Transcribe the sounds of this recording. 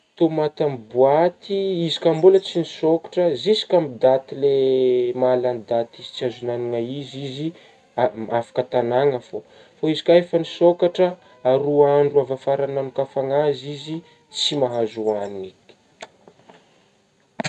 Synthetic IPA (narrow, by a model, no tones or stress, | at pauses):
t̪omat̪amibuat̪iizi̥kambulət͡sinisokḁʈ͡ʂəzisi̥kʲamid̪at̪ilemaland̪at̪izi̥t͡siazunaniŋaizizi | aafḁkət̪anaŋəfo | faizi̥kʲaefanisokaʈ͡ʂə | aɾuaɳɖ͡ʐuavafaɾanamikafaŋazizi | t͡simaɦazuaniŋik